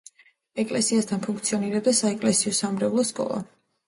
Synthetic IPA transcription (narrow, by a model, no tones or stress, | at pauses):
ɛkʼlɛsiast̪ʰanpʰuŋkʰt̪sʰiɔniɾɛb̚d̪asaɛkʼlɛsiɔsamɾɛvlˠɔskʼɔ̰lˠa̰